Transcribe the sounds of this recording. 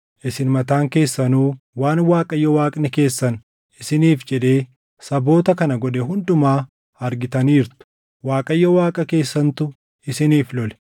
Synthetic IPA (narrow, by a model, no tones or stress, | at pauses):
ʔɪsɪnmɐt̪aːŋke̞ːsːɐnuː | waːnwaːkʼɐjːɔwaːkʼnɛke̞ːsːɐn | ɪsɪniːfd͡ʒɛᶑe̞ː | sɐbo̞ːt̪ɐkɐnɐɡɔᶑ̪ɛɦʊnd̪ʊmaː | ɐɾɡɪt̪ɐniːɾt̪ʊ̥ | waːkʼɐjːɔwaːkʼɐke̞ːsːɐnt̪ʊ | ɪsɪniːflɔlɛ̥